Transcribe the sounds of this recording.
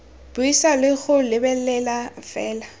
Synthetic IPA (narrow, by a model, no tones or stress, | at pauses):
b̥ʊisalɪɣʊlɪbɛlɛlafɛːla